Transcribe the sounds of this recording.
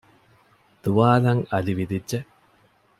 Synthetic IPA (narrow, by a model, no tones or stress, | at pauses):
d̪̥uʋaːlɐŋɐliʋid̪idʒe